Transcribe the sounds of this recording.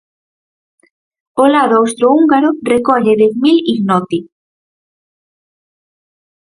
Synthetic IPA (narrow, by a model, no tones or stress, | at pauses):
olaðoowst̪ɾouŋɡaɾorekɔʎeðeθmiliɣnɔt̪i